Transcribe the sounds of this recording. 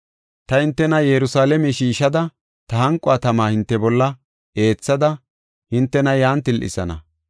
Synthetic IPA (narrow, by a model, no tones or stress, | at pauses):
t̪ɐhɪnt̪ːɛnɐjɛɾʊsaːlɛmɛʃiːʃɐd̪ɐ | t̪ɐhɐŋkʼːɔat̪ɐmaːhɪnt̪ːɛbɔlːɐ | e̞ːt͡sːɐd̪ɐ | hɪnt̪ːɛnɐjaːnt̪ɪlʔɪ̰sɐ̰nɐ̰